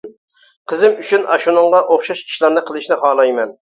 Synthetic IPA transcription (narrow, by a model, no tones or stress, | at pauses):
qʰəzɪmyt͡ʃʰynʔɑʃunɨŋʁɑʔoχʃɑʃkʲʰi̥ʃlˠɑɾnɨqʰəlˠɨʃnɪχɑːlˠɑjmɛn